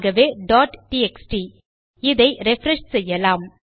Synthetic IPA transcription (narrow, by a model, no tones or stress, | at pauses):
ɣɐʋeːɖaːʈʈiɛksʈi | ɪðɐɪɾɛfɾɛʂsɛjːɐlaːm